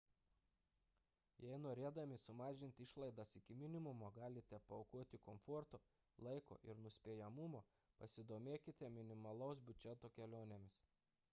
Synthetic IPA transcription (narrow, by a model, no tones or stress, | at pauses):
jɛɪnoːɾʲeːd̪ɐmʲɪsʊmɑːʒʲɪnʲt̪ʲɪʃlˠɐɪd̪ɐsɪkʲɪmʲɪnʲɪmʊmoːɡɑːlʲɪt̪ʲɛpɐoʊkuɔt̪ʲɪkɔmfɔɾt̪oː | lˠɐɪko̰ːʔɪɾnʊsʲpʲeːjɛmʊmoː | pɐsʲɪd̪oːmʲeːkʲɪt̪ʲɛmʲɪnʲɪmɐlˠɔʊsbʲʊd͡ʒʲɛt̪oːkʲɛlʲoːnʲɛmʲɪs